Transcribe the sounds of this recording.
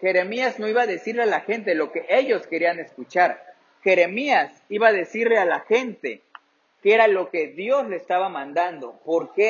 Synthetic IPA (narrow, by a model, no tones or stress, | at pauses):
xe̞ɾe̞miazno̞iβaðe̞siɾlealaxe̞nt̪̬e̞lo̞ke̞ʔeʝo̞ske̞ɾiane̞skut͡ʃaɾ | xe̞ɾe̞mias | iβaðe̞siɾlealaxe̞nt̪e̞ | kee̞ɾalo̞ke̞ðjo̞zle̞ːst̪aβamãnd̪and̪o̞̰po̞ɾke